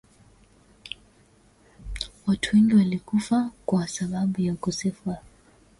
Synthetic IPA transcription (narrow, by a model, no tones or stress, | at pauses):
watʰweŋɡiwalikufakwasaɓaɓujakusɛfa